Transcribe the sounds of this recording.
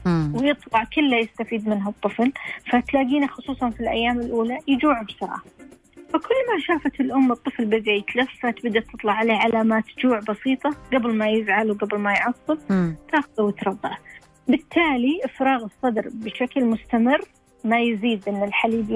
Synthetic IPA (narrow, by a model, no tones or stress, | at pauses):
wjɨt̪ˤlɑʕkɪlːajɪst̪afiːd̪mɪnɦat̪ˤːɨflfat̪laːɡiːnaxʊsˤuːsˤɑnfilʔa̰jːaːmɪlʔuːlajɪd͡ʒuːʕabsɑɾˤɑ̰ː | fakʊlːmaʃaːfat̪ɪlʔʊmːɨt̪ˤːɨflbɪbajt̪lɪfsfat̪bd̪at̪ːɨt̪ˤlɑʕaleːʕalaːmaːt̪d͡ʒuːʕbɑsiːt̪ˤɑɡabɪlmajɪzʕalwɡabɪlmajʕɑsˤːɨlt̪aːxʊðawɪt̪ɾˤɑd̪ˤːa | bɪt̪ʰːaːliʔɪfɾɑːɣɨsˤːɑd̪ɾbɪʃaklmʊst̪amɪrː | majziːd̪ʔɪnːɪlħaliːb